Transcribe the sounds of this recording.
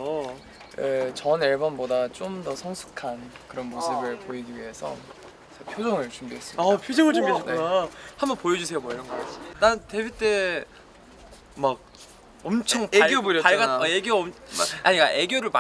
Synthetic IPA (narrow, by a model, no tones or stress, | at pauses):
et͡ɕʌneɭbʌnbodat͡ɕ͈omdʌsʰʌŋsʰu̥kʰankɯɾʌnmosʰɯbɯɭpoiɡiɥiɦe̞sʰʌ̰ | t͡ɕepʰjod͡ʑʌŋɯɭt͡ɕumbiɦe̞s͈ɯmiapʰod͡ʑʌŋɯɭt͡ɕumbienonahambʌnpojʌd͡ʑusʰe̞jomʌiɾʌnɡʌk͈at͡ɕit͈anɯnte̞bit͈e̞ | mak̚ | ʌmt͡ɕʰʌŋpeaɡjoboɾʌpaɭɡaʌeɡjoʌm̰aɲik͈a̰ʔe̞ɡjoɾɯɭma